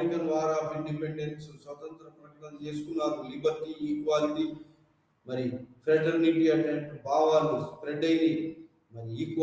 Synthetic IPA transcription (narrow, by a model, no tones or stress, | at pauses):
ɾikɐnʋaːɾaːbiɳɖipeɳɖeɾsusʋɐt̪ɐnt̪ɾɐpɾɐʈɐkɐmt͡ʃe̞ːsu̥kunːaːɾulibʱɐɾʈiiːkʋaːlit̪i | mɐɾifɾɐʈɐɾniʈiːɐɳʈeɐʈːubaːʋaːluspɾeɖɐjni | mɐɾiːkʋ